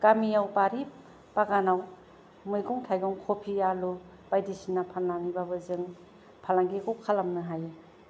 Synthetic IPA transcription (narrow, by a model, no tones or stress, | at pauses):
kamijawpaɾi | paɡanaw | mɯjɡɔŋtʰajɡɔŋkʰopʰialu | b̥ajdisinapʰanlanibabɯzɯŋ | pʰalaŋɡikɔwkʰalamnɯɦaj